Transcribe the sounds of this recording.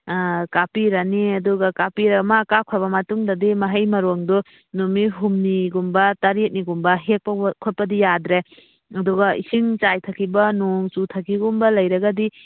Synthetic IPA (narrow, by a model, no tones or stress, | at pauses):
kapiɾaniɐduɡɐkapiɾamakakʰɔbɐmɐtuŋdɐdimɐɦɐjmɐɾoŋdɔ | numiɦumniɡumbɐtɐɾit̚niɡumbɐɦek̚pɐkʰot̚pɐdijadɾe | ɐduɡɐisiŋt͡ʃajtʰɐkʰibɐnoŋt͡ʃutʰɐkʰiɡumbɐlɐjɾɐɡɐdi